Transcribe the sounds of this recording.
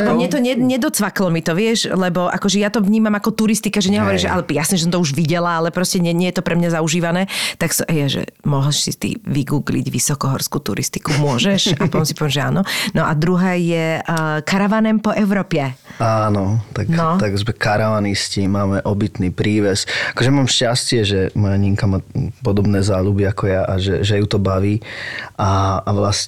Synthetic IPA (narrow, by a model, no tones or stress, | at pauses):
ɔmɲɛt̪ɔɲɛɲɛd̪ɔt͡sʋaklɔmit̪ɔʋɪɛʃlɛbɔʔa̰kɔʒɛjat̪ɔʋɲiːmamakɔt̪uɾist̪ikaʒɛɲɛɦɔʋɔɾiːʒɛʔa̰lɛjasnɛʒɛs̬ɔmt̪ɔuʒʋiɟɛlaalɛpɾɔscɛɲɛɲɛjɛt̪ɔpɾɛmɲazauʒiːʋanɛːt̪aksɔʔɛjaʒɛ̰mɔɦl̩ʃsḭt̪ḭʋiɡuːɡlḭɟʋisɔkɔɦɔɾskuːt̪ṵɾḭst̪i̥kumʊɔʒɛʃappɔt̪ɔmsipɔʋiɛmʒɛa̰ːnɔnɔʔad̪ɾuɦɛːjɛkaɾaʋanɛmpɔʔɛʊɾɔːpjɛaːnɔt̪aknɔt̪aɡzmɛkaɾaʋaniscimaːmɛʔɔbit̪nipɾiːʋɛsakɔʒɛmaːmʃcascɪɛʒɛmɔjaɲiŋkamapɔd̪ɔbnɛːzaːʎubiakɔjaʔaʒɛʒɛjut̪ɔbaʋiːʔaːʋlas